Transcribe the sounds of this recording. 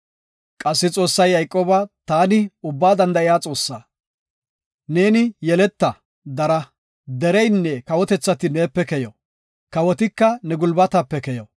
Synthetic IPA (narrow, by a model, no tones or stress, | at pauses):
kʼɐsːɪt͡sʼo̞ːsːɐjːɐjkʼoːbɐt̪aːnɪʊbːaːd̪ɐnd̪ɐɪjaːt͡sʼo̞ːsːaː | ne̞ːnɪjɛlɛt̪ːɐ | d̪ɐɾɐ | d̪ɛɾɛjnːɛkɐwɔt̪ɛt͡sːɐt̪ɪne̞ːpːɛkɛjɔ | kɐwɔt̪ɪkːɐnɛɡʊlbɐt̪ɐpːɛkɛjɔ